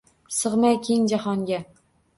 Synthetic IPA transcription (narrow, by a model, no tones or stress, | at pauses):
sɨʁmajkʲʰeŋd͡ʒahɒŋɡʲa